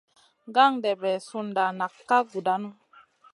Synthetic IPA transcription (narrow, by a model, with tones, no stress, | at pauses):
ŋɡa˦ŋdɛ˨bɛ˨su˦nda˨na˨kːa˦ɡu˨da˦nu˦